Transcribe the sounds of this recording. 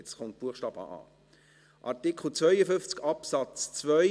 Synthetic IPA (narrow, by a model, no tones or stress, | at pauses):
t͡sχɔnt̚b̥uəχʃtɑːbɑ̰ɑ̰ː | ʔɑ̰tikχl̩t͡svœʏəfʏnft͡skɑpsɑt͡st͡svœ